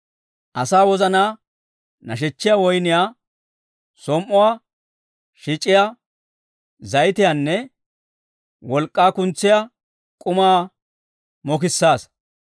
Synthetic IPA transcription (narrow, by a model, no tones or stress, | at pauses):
ʔɐsaːwɔzɐnaː | nɐʃ̬ɛt͡ʃːɪjawɔjnɪjaː | sɔmːɔwaː | ʃɪt͡ʃʼːɪja | zɐjt̪ɪjanːɛ | wɔlkʼːaːkʊnt͡sːɪja | kʼʊmaː | mɔk̬ɪsːaːs